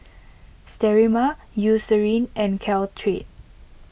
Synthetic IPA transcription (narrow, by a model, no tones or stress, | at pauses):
stɛɹima | jusəɹĩnɛ̃nkʰɛltʰɹet̚